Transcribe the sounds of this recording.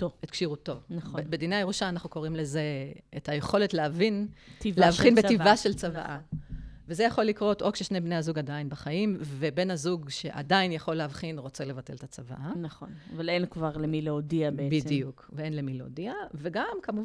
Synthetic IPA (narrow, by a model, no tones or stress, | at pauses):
oet̪̚kʃiʁuto̞naobbedinejajeʁuʃaːnaχnuko̞ʁimle̞ze̞ːtajeχo̞letleavintivleavχinbetivaʃelt͡sava̰ʔavezejaχo̞lːikʁo̞to̞kʃeʃnebne̞jazuɡadainbaχajimvebe̞nazuɡʃe̞ʔa̰dainjaχo̞leavχinʁo̞t͡sele̞vate̞ltat͡sava̰ʔanaχonavalenkvaʁlemileodiabebidijukveenlemileo̰diave̞ɡamkamu